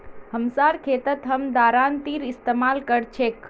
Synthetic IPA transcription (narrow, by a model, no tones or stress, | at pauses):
həmsaɾkʰet̪ət̪ɦəmd̪aɾant̪iɾist̪emalkəɾt͡ʃʰek